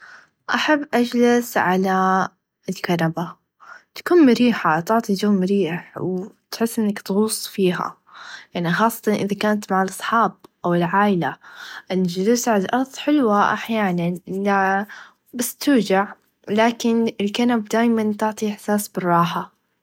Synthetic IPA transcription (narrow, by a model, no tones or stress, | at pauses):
ʔaħabːʔad͡ʒlasʕala | ɪlkanaba | t̪ḁkuːnmʊɾiːħat̪ʊʕt̪ˤid͡ʒaːmɾiːħwt̪ħɪsːʔɪnːakt̪ɣuːsˤːfiːɦa̰ | jaʕnixɑːsˤːɑt̪ɑnʔɪðakaːnat̪maʕɪlʔɑsˤħɑːb̚ʔawɪlʕaːʔɪlaʔɪnad͡ʒlɪsʕalalʔɑɾˤðˤħɪlwaʔaħjaːnanʔɪla | basːt̪ʊːd͡ʒaʕ | laːkɪnɪlkanabd̪aːjmant̪ʊʕt̪ˤiʔɪħsaːsbɪrˤːɑːħa